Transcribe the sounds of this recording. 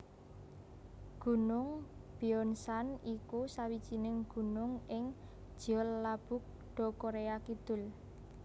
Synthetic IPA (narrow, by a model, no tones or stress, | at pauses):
ɡ̥ṳnʊŋb̥iɔnsanikusawid̥ʒ̥i̤nɪŋɡ̥ṳnʊŋɪŋ̥ | ʒ̥ɔlːab̥ʊ̤k̚ | ɖ̪̥ɔ̤koɾeakid̪̥ʊ̤l